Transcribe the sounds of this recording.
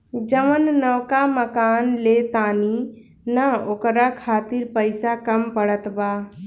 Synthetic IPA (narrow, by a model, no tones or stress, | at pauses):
d͡ʒəmənːəwkaməkaːnlet̪aːni | nəokɾakʰaːt̪ɪɾpəɪsakəmpəɽət̪baː